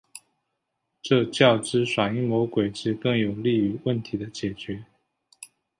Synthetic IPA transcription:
ʈ͡ʂɤ˥˧t͡ɕjɑ˥˩ʊʈ͡ʂɻ̩˥ʂwa˨˩ŋi˥˩ŋmo˧˥ʊkwe˨˩ɪʈ͡ʂɻ̩˥˧kɤ˥˩ŋjo˨˩ʊli˥˩y˨˧˥wə˥˩nt̪ʰi˨˥d̪ə˧t͡ɕjɛ˨˩t͡ɕɥɛ˨˧˥

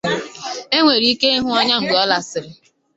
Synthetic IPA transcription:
e˦ŋʷe˨ɾi˨˦i˦ke˦ɪ˦ɦʊ˦ɔ˦ɲa˦ŋ̩˨ɡ͡be˨ɔ˦la˦sɪ˨ɾɪ˨

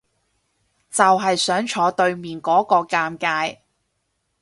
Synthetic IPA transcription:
t͡sɐ˨wɦɐ˨jsœː˨˥ŋt͡ʃʰɔː˨˧˥t̪ɵ˧ɥmiː˨nkɔː˨˥kɔː˧kaː˧mkaː˧j

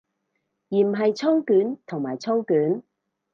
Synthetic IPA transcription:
jiː˨˩m̩˨˩ɦɐ˨jt͡sʰo˥wkyː˨˥nt̪ʰʊ˨˩ŋmaː˨˩jt͡sʰo˥wkyː˨˥n

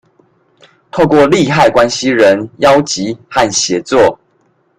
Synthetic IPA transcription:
t̪ʰo˥˧ʊkwɔ˥˨li˥˨xa˥˩ɪkwa˦nɕi˦ɻə˨˦njɑ˦ʊt͡ɕi˨˦xa˥˨nɕjɛ˨˦t͡swɔ˥˨

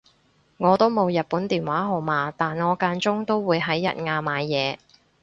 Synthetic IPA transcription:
ŋɔː˨˧t̪o˥wmo˨˧wjɐ˨t̚puː˨˥nt̪iː˨˩nwaː˨˥ɦo˨˩wmaː˨˧t̪aː˨nŋɔː˨˧kaː˧nt͡sʊ˥ŋt̪o˥wwuː˨˧jɦɐ˨˥jːɐ̰˨t̚ŋaː˧maː˨˧jjɛː˨˧

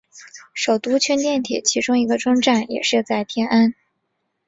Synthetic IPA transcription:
ʂo˨˩ʊt̪u˥t͡ɕʰɥɛ˥nt̪jɛ˥˩nt̪ʰjɛ̰˨˩t͡ɕʰi˧˥ʈ͡ʂʊ˥ŋi˧˥ɡə˧ʈ͡ʂwʊ˥ŋʈ͡ʂa˥˩njɛ̰˨˩ʂɻ̩˥˧t͡sa˥˩ɪt̪ʰjɛ˥nʔa˥n

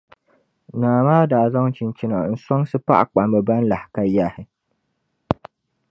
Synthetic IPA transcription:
naː˨maː˦da˨za˦wt͡ʃɪ˨nt͡ʃɪ˦na˨ɪ˨˦nsɔ˦ŋsu˦pa̰˦ʔa̰˨k͡pa˨mbɛ˨bɐ˦nla˨hka˦jːaː˦˨he˦

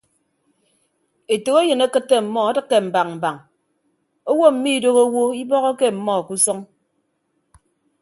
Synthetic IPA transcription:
e˨to˨ɣe˦jɨ˨ne˦kɨ˦tːe˦m̩˨mɔ˦a˦dɨ˦kːe˨m̩˨ba˨ŋm̩˨ba˨ŋ | o˦wo˦m̩˨mi˦˨do˦ɣo˦wo˦i˦bɔ˦ɣɔ˦ke˦m̩˨mɔ˦˨ku˦sɔ˦ŋ

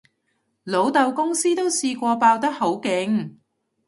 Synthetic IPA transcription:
lo˨˥wt̪ɐ˨wkʊ˥ŋsiː˥t̪o˥wsiː˧kʷɔː˧paː˧wt̪ɐ˥k̚ho˨˥wkɪ˨˥ŋ

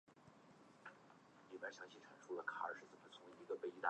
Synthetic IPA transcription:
li˥˩pa˥˩ɕjɑ˧˥ŋt͡ɕʰi˧˥ʈ͡ʂʰa˨˩nʂʰu˥lə˨kʰa˨˩ə̰˞˧˥ʂɻ̩˥˩t͡sə˨˩mə˨˩t͡sʰʊ˧˥ŋwe˧˩i˧˥ɡə˧pe˥˩ɪi˧˥t̪a˥˩

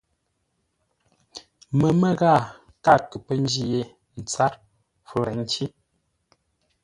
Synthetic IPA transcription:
mə˨mə˦ɣaː˦˨ | ka˦˨kə˨pə˦n˦d͡ʒi˦je˦ | n̩˨t͡sa˦ɾ | fu˦ɾɛ˨ŋ˦t͡ʃi˦

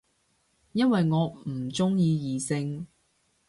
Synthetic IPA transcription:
jɐ˥nwɐ˨jŋɔː˨˧m̩˨˩t͡sʊ˥ŋjiː˧jiː˨˧sɪ˧ŋ

